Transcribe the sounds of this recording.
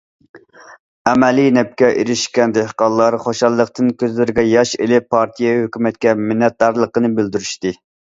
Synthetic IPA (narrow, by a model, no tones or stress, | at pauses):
ɛmɛlinɛp̚kʲɛʔḛɾɪʃkʲɛnd̪ɪqɑlˠːɑɾχoʃɑlˠːəq̚t̪ɨnkʲʰøzlɪɾɪɡʲɛjɑʃḛlɪpʰːɑɾt̪ʰijɛhøkʲymɛt̪̚kʲɛmɪnːɛt̪̚d̪ɑɾlˠəqənɨbɪld̪yɾyʃt̪ɨ